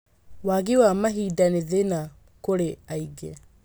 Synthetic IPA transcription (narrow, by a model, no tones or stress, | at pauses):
waɡɪwamaɦiːdanɪðena | koɽeajɡḛ